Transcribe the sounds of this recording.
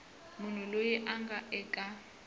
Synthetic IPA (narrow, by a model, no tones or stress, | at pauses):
mʊn̤ulojɛʔaŋɡaʔɛkʼa